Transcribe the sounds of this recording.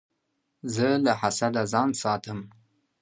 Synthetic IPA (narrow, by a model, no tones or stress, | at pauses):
zəlahasad̪azɑnsɑt̪əm